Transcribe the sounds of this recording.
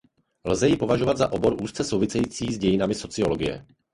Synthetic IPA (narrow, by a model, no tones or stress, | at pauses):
lzɛjɪpovaʒovad̪zaʔo̞boɾʔuːst͡sɛsowvɪsɛjiːt͡siːzɟɛjɪnamɪso̞t͡sɪoloɡɪjɛ̰